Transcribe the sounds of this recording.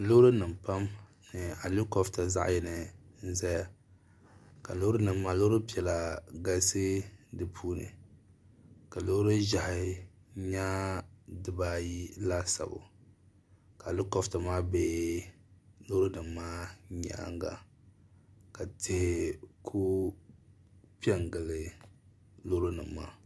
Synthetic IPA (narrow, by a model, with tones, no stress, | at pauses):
lo˦ɾɨ˦nɨ˨mpa˦m | nɨ˨a˨lu˦kɔ˨fta˨za̰˦ʔjɛ˨nɨ˨n̩˦za˦ja˨ | ka˨lo˦ɾʊ˦nɨ˨mːa˦lo˦ɾɨ˦pi˨ɛ˨la˨ɡa˦sɨ˦dɨ˨pʰuː˦nɨ̰˨ | ka˨lo˦ɾʊ˦ʒa˨hɪ˨ | ɲa˦dɨ˨ba˦ji˦la˦sa̰˨bʊ̰˨ | ka˨lʊ˦kɔ˨fta˨maː˦be˦ | lo˦ɾo˦nɨ˨mːaː˦ɲa̰˦˨a̰˦ŋɡa̰˨ | ka˨tʰɪ˨hɪ˨kʰu˦ | pi˦ɛ˦ŋ˨ɡa˨lɨ˨ | lo˦ɾo˦nɨ˨mːa̰ː˦